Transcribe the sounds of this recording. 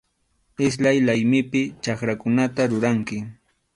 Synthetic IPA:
ɪs̬lajlajmɪpɪt͡ʃakɾakʊnat̪aɾʊɾaŋkɪ

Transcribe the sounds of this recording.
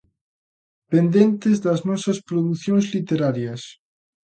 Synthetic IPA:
pend̪ent̪ɪzðɐznɔsɐspɾoðuθjõŋzlit̪eɾaɾjɐs

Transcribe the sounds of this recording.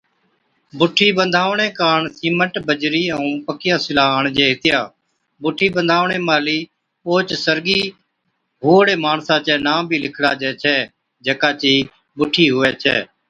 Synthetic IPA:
bʊʈʰiːbənd̪ʱaːʋɳẽːkaːɳsiːməʈbəd͡ʒɾiːə̃ũːpəkɪjãːsɪlaːɳd͡ʒeːɦɪt̪ɪjaː | bʊʈʰiːbənd̪ʱaːʋɳẽːmaːliː | oːt͡ʃsəɾɡiː | ɦuːɽeːmaːɳsãːt͡ʃɛːnãːbʱiːlɪkʰɽaːd͡ʒɛːt͡ʃʰɛː | d͡ʒekaːt͡ʃiː | bʊʈʰiːɦʊʋɛːt͡ʃʰɛ̰ː

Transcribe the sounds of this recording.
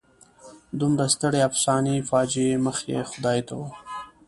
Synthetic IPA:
d̪umɾast̪əɽeafsɑnifɑd͡ʒeməxḛxʊd̪ɑjit̪awə

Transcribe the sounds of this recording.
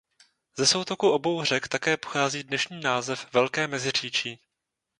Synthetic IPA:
zɛso̞wt̪o̞kuʔo̞bo̞wr̝ɛkt̪akɛːpo̥xaːziːdnɛʃɲiːnaːzɛfvɛlkɛːmɛzɪr̝iːt͡ʃiː

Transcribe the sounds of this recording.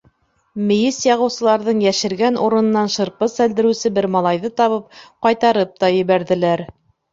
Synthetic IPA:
mɘ̆jɘsjɑʁɤ̆wsɤ̆lˠɑɾðɤɴjæʃɘ̆ɾɡænʔuɾɤ̆nɤ̆nːɑnʃɤ̆ɾpɤsæld̪ɘ̆ɾɘ̆wsɘbɘɾmɑlˠɑjðɤt̪ɑβɤp̚qɑjt̪ɑɾɤp̚t̪ɑjɘ̆βæɾðɘ̆læɾ

